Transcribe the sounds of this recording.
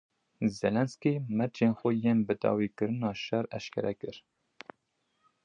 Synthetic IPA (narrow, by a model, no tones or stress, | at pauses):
zɛlɛnskimɛɾd͡ʒeːnxʷɛjeːnbɨd̪ɑ̰ːwiːkɨɾɨnɑːʃɛɾɛʃkʰʲɛ̰ɾɛkɨɾ